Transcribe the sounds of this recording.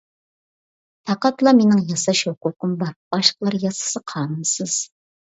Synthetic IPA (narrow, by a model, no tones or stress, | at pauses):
t̪ʰɑqɑt̪lˠɑmenɪŋjɑsɑʃokʊkʊmbɑɾb̥ɑʃqəlˠɑɾjɑsɨ̥sɨqʰɑːnɨmsɨz̥